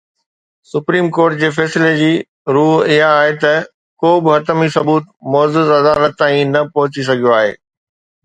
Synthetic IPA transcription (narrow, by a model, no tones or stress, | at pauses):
sʊpɾiːmkoːɾʈ̚d͡ʑeːfɛːsɪled͡ʑiː | ɾuːɦɪɦaːɦet̪ɐ | koːbɪɦɐt̪əmisɐbuːt̪̚mɔːzɪzɐd̪aːlət̪ːãːĩnɐpɐɦʊt͡ɕis̬ɐɡʱijoaːɦḛː